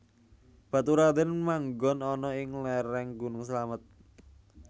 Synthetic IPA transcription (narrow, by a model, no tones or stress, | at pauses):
b̥at̪uɾad̪ənmaŋɡɔnɔnɔɪŋlɛɾɛŋɡunʊŋsəlamət̪̚